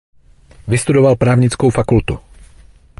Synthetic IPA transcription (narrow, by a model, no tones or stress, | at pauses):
vɪst̪udo̞valpɾaːvɲɪt͡skowfakult̪u